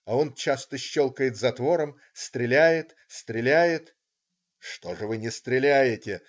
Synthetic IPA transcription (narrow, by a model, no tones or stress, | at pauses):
ɐo̞nt͡ɕast̪əɕːolˠkəjɪt̪zɐt̪vo̞ɾəm | st̪ɾʲɪlʲæjɪt̪ | st̪ɾʲɪlʲæjɪt̪ | ʂt̪o̞ʐɨvɨnʲɪst̪ɾʲɪlʲæjɪtʲɪ